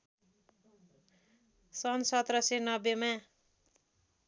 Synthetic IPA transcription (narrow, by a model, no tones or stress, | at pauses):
sʌnsʌt̪rʌsenʌbjemã